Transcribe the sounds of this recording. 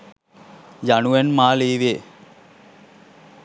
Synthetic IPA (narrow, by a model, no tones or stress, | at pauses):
januʋenmaːliːʋe